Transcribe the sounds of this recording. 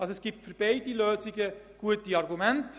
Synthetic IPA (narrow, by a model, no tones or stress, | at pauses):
ɑlsoɛsɡ̥iːp̚tfyɾb̥eɪdiløːziɡəɡ̥uətiɑrɡumɛnt